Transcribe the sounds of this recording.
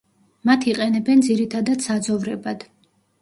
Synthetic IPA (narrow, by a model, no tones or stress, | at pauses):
mat̪ʰiqʼɛnɛbɛnd̪ziɾit̪ʰad̪ad̪̥sad̪zɔvɾɛbad̪̥